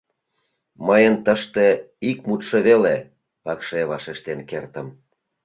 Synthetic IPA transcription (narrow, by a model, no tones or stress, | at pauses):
məjənt̪əʃt̪e | ik̚mut̪ʃɤβele | pɑkʃeβɑʃeʃt̪enkert̪əm